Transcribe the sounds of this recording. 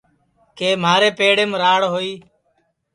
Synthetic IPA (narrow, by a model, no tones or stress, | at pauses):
keːmaːɾeːpeːɽeːmɾaːɽɦoːiː